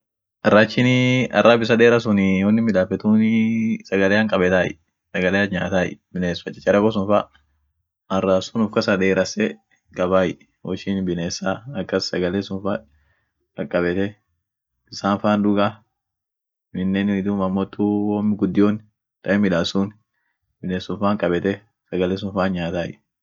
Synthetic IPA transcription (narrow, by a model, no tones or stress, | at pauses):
ʔɐrːat͡ʃːɪnɪɐ̰rːaːbɪs̬ɐd̪eːɾɐs̬ʊnɪɔnːɪmɪᶑaːfɛt̪uːnɪsɐɡɐleːɐŋkʼɐbɛt̪aːɪ̰ | sɐɡɐleːɐɲaːt̪aːjɪ̰bɪneːsfɐt͡ʃʼːɪ̥t͡ʃʼːɐɾɐɡos̬ʊnfɐ | ɐraːsʊnʊfkɐsɐd̪eːɾɐsɛ | kʼɐbaːjɪ | wɔt͡ʃːɪnbɪneːsaɐkːɐsːɐɡɐleːsʊnfa | ɐkʼːɐbɛt̪ɛ | ɪsaːnfaːnd̪ʊɡa | mɪnːeːnɪd̪uːmɐmːoːt̪ːuwoːmːɪɡʊd̪ːɪjoːn | t̪ɐʔɛmɪᶑaːsuːn | bɪneːsʊnfaːŋkʼɐbɛt̪ɛ | sɐɡɐleːs̬ʊnfaːɲɲaːt̪aːjɪ